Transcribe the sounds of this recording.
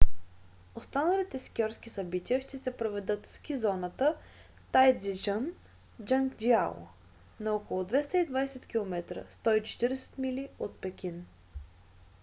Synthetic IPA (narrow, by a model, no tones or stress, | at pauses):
ost̪anəlit̪ɛskʲɔɾsk̟isɐbit̪iəʃt̪ɛsɛpɾovɛd̪ɤt̪fskʲizɔnət̪ə | t̪ajd̪zid͡ʒan | d͡ʒaŋkd͡ʒial̰ˠ | nɐokolˠʊd̪vɛst̪əid̪vajsɛt̪kʲilˠomɛt̪ɾə̰st̪ɔit͡ʃɛ̥t̪iɾɛsɛ̥t̪miliot̪̚pɛkʲin